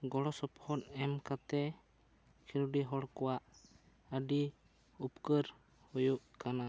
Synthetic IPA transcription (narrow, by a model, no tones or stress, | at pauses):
ɡɔɽɔsɔphɔnɛmkat̪ɛ | kʰiɾuɖiɦɔɽkɔwaʔ | əɖi | upkəɾ | hujuʔkana